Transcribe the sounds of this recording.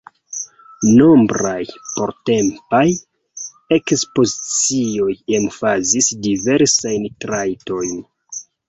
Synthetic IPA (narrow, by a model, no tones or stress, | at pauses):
no̞mbɾajpo̞ɾte̞mpaj | e̞kspo̞zit͡sio̞je̞mfazisdive̞ɾsajntɾajto̞jn